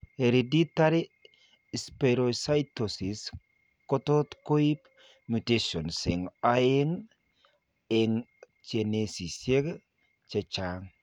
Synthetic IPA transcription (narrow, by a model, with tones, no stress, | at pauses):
he˨ɾedi˦taɾi˦ | speɾosa˦jtosi˨s | ko˦t̪o˦t̪ko˦i˦p | muteʃo˨nsɪ˨ŋae˦ŋ | eŋ | t͡ʃenesi˨se˦ɡ | t͡ʃe˨t͡ʃaŋ